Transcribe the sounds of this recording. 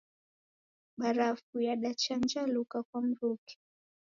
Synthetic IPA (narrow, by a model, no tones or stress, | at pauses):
ɓaɾafujaɗat͡ʃand͡ʒalukakwam̩ɾuki̥